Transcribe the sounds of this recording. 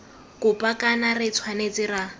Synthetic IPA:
kʼʊpʼakʼanarɪt͡sʰwanet͡sʼɪra

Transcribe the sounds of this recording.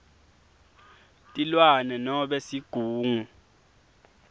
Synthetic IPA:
tʼilwanɛnɔɓɛsiɡ̥ʱuːŋu

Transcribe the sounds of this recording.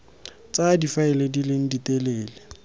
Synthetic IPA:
t͡sʼadifaɛledilɪŋ̩ditʼeleːle

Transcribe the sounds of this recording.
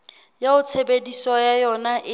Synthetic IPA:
jaʊt͡sʰebedisɔjajɔnaʔɪ

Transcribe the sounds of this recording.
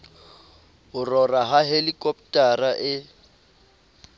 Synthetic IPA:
hʊrɔraɦaɦelikʼɔpʼtʼaraʔɪ

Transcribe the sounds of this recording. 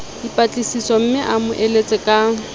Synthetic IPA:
dipʼat͡ɬʼisisɔm̩mɪʔamʊʔelet͡sʼɛkʼa

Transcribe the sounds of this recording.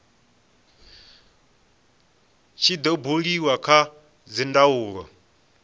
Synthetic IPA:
t͡ʃʰid̪ɔbuɺiwakʰa | d͡zindauːɺɔ̰

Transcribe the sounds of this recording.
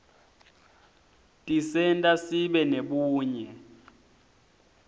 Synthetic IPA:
tʼisɛntʼasiɓɛneɓuːɲɛ

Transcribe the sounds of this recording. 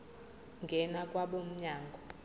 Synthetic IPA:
ŋɡʱɛnakʼwaɓom̩ɲaːŋɡʱɔ

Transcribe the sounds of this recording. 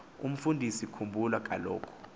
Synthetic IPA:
ṵm̩fundʱisikʰumbʱulwak̬ʼa̰lɔ̰ːkʰɔ̥

